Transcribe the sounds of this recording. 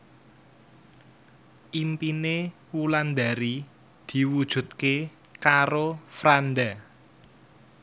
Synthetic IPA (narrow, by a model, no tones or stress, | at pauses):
ʔimpine | wuland̪aɾi | d̪̥i̤wud̥ʒ̥ṳt̪̚ke | kaɾofɾanɖa